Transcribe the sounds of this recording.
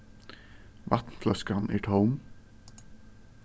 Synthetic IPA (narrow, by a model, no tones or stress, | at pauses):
ʋɑ̰t̪n̩fʰlœskɑnʔḭːʈʰoʊm